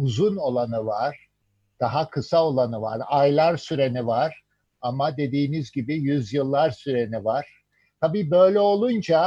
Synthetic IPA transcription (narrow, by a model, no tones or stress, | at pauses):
uzuno̞lˠanɯvaɾ̥ | d̪̥aɦakʰɯsao̞lˠanɯva̰ɾajlˠaɾsyɾe̞nivaɾ̥ | amad̪e̞d̪iːnizɟibijyzjɯlˠːaɾsyɾe̞nivaɾ̥ | t̪ʰabiːbø̞jlʲɛo̞lˠund͡ʒa